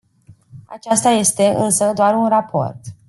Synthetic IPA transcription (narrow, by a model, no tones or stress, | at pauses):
a̰t͡ʃast̪aje̞st̪e̞ɨ̰nsəd̪oarunrapʰo̞̰rt̪